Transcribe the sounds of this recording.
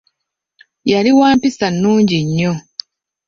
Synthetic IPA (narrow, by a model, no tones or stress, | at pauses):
jaliwaːmpisanːuːɲɟiɲːo̞